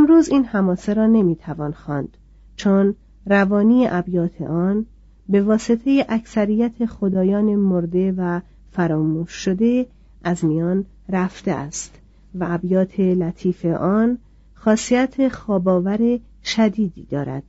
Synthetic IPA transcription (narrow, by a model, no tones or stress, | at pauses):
emɾuːziːnhæmɒːseɾɒːne̞miːt̪ʰævɒːnxɒːnd̪̥ | t͡ʃʰon | rævɒːniːeʔæbjɒːt̪ʰe̞̰ʔɒːn | be̞vɒːset̪ʰejeʔæcʰsæɾijæt̪ʰe̞xod̪ɒːjɒːnemoɾd̪e̞væ | fæɾɒːmuːʃːod̪e̞ | ʔæzmijɒːn | ræft̪ḛʔæ̰st̪ | væʔæbjɒːt̪ʰe̞læt̪ʰiːfe̞ʔɒːn | xɒːsiæt̪ʰe̞xɒːbɒːvæɾe̞ | ʃæd̪iːd̪iːd̪̥ɒːɾæ̰d̪̥